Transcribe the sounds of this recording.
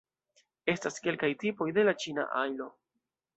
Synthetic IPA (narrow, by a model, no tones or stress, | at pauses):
e̞staske̞lkajtipo̞jde̞lat͡ʃina̰ʔajlo̞